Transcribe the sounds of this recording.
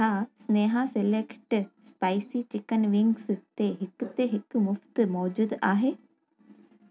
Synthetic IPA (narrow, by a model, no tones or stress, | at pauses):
asneːɦaselekʈspajsiːt͡ʃɪkənʋɪŋɡst̪eɦɪkt̪eɦɪkmʊft̪mɔːd͡ʒuːd̪aːɦe